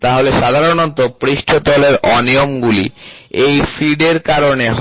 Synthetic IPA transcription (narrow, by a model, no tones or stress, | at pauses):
t̪aɦoleʃad̪ʱaɾonɔt̪opɾiʃʈʰot̪ɔleɾɔnijomɡulḭ | ejfiɖeɾkaɾoneɦ